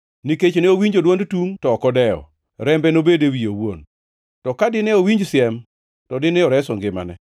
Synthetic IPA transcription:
niket͡ʃneowiɲd͡ʒodwondtuŋtɔːkɔdɛɔ̰ | ɾɛmbɛnobedewijowo̰n | tɔkadɪnɛowiɲd͡ʒsɪɛm | tɔdɪnɛɔɾɛsɔŋɡɪma̰nɛ̰

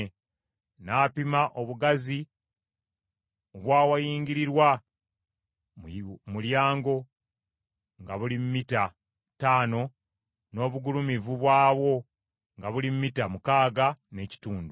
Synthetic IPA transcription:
naːpimaʔo̞βuɡazi | oβwaːwajiːɲɟiɾiɾwa | muljaːŋɡo̞ | ŋɡaβulimumita | taːno̞ | no̞ːβuɡulumivuβwaːβwo̞ | ŋɡaβulimumitamukaːɡane̞ci̥tuːndu

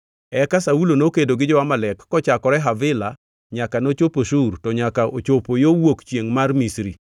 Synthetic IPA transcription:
ɛkasaulonokedoɡɪd͡ʒɔwamalɛkːɔt͡ʃakɔɾɛɦavɪla | ɲakanot͡ʃopoʃurtɔɲakaʔo̰t͡ʃopojowokt͡ʃjeŋmarmisɾi

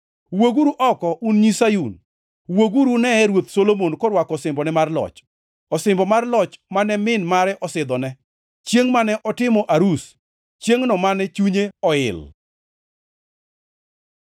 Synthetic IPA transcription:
woɡuɾuʔɔkɔʔunɲisajun | woɡuɾunɛɛɾwot̪solomonkɔɾwakɔsɪmbɔnɛmarlɔ̰t͡ʃ | ɔsɪmbɔmarlɔt͡ʃmanɛmɪnmaɾɛʔɔsɪd̪ɔnɛ | t͡ʃjeŋmanɛʔɔtɪmɔʔaɾus | t͡ʃjeŋnɔmanɛt͡ʃuɲeɔɪ̰l

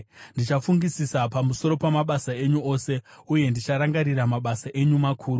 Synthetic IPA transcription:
ndit͡ʃafuŋɡisisapamuso̞ɾo̞pamaɓasae̞ɲuo̞ːse̞ | uje̞ndit͡ʃaɾaŋɡaɾiɾamaɓasaʔe̞ɲumakʰuːru

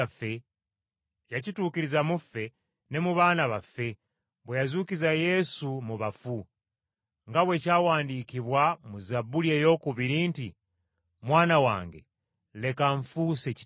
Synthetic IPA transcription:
fe | jacituːkiɾizamufe̞ | ne̞muβanaβafe̞ | bwejazukizajesumuβafu | ŋɡawe̞cawaːndikiβwamuzabuljejo̞kuβiɾiːnti | mwaːnawa̰ːŋɡḛ | le̞kaɱfuseci̥

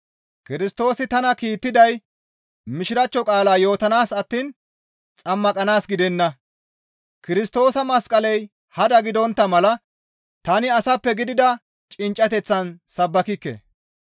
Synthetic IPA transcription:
kɪɾɪst̪o̞ːsɪt̪ɐnɐkiːt̪ːɪd̪ɐj | mɪʃɪɾɐt͡ʃːɔkʼaːlaːjo̞ːt̪ɐnaːsɐt̪ːiːn | t͡sʼɐmːɐkʼɐnaːsɡɪd̪ɛnːɐ | kɪɾɪst̪o̞ːsɐmɐskʼɐlɛj | hɐd̪ɐɡɪd̪ɔnt̪ːɐmɐlɐ | t̪ɐnɪɐsɐpːɛɡɪd̪ɪd̪ɐ | t͡ʃʼɪnt͡ʃʼːɐt̪ɛt͡sːɐnsɐbːɐkɪkːɛ̰

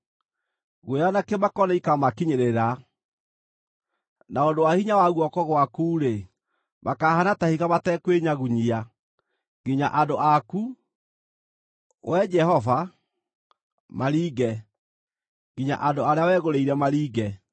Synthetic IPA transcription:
ɣweɾanakemakɔnaikamakiɲeɾeɾa | naondowahiɲawaɣwɔkɔɣwakuːɾe | makaːhanatahiɣamatɛkweɲaɣuɲia | ɡiɲaʔandoʔaku | wɛd͡ʒɛhɔva | maɾiːɡɛ | ŋɡiɲa̰ʔandoaɾeawɛːɣoɾeiɾɛmaɾiːɡɛ

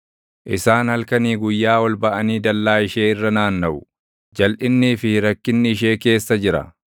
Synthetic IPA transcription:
ʔɪsaːnhɐlkɐniːɡʊjːaːwɐlbɐʔɐniːd̪ɐlːaːɪʃe̞ːɪrːɐnaːnːɐʔʊ | d͡ʒɐlʔɪnːiːfɪɾɐkːɪnːɪɪʃ̬e̞ːke̞ːsːɐd͡ʒɪɾɐ̰

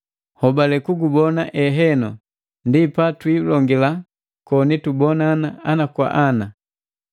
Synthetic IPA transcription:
hɔbalɛkuɡubɔnaʔɛɦɛnɔ | ndipatwilɔŋɡila | kɔnitubɔnaːnaanakwa̰ʔana

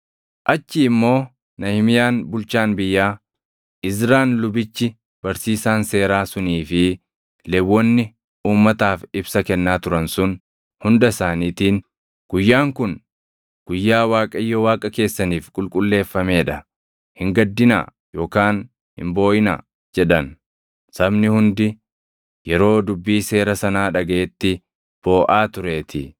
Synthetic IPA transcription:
ʔɐt͡ʃːɪːmːo̞ː | nɐhɪmɪjaːnbʊlt͡ʃaːnbɪjːaː | ʔɪzɾaːnlʊbɪt͡ʃːɪ | b̥ɐɾsiːsaːnse̞ːɾaːsʊniːfɪ | lɛbːɔnːɪ | uːmːɐt̪aːfɪbsɐkɛnːaːt̪ʊɾɐnsʊn | hʊnd̪ɐsaːniːt̪iːn | ɡ̥ʊjːaːŋkʊn | ɡ̥ʊjːaːwaːkʼɐɪjːɔwaːkʼɐke̞ːsːɐniːfkʼʊlkʼʊlːe̞ːfːɐme̞ːᶑɐ | hɪŋɡɐd̪ːɪna̰ː | jo̞ːkaːn | hɪ̰mbo̞ːʔɪna̰ | d͡ʒɛᶑɐn | sɐbnɪhʊnd̪ɪ | jɛɾo̞ːd̪ʊbːiːse̞ːɾɐsɐnaːᶑɐɡɐʔɛt̪ːɪ | b̥o̞ːʔaːt̪ʊɾe̞ːt̪ɪ

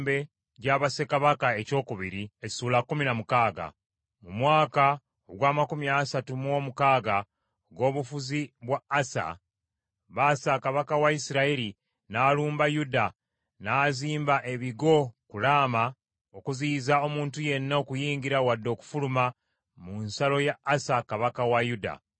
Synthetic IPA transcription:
be̞ | ɟaβase̞kaβakae̞co̞ːkuβiɾie̥suːlakːuminamukaːɡa̰ | mumwaːka | oɡwaːmakumiasatumwo̞mukaːɡa | oɡo̞ːβufuziβwaːsa̰ | βaːsakaβakawaisiɾaiɾi | naːluːmbajuda | naːziːmbaʔe̞βiɡo̞kulaːma | okuziːzao̞muːntuje̞nːaokujiːŋɡiɾawadːo̞ːku̥fuluma | munsalo̞jaːsakaβakawajuda̰

